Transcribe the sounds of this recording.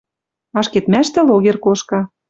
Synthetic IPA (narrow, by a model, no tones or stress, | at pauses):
ɑʃket̪mæʃt̪ɘ̆loɣerkoʃkɑ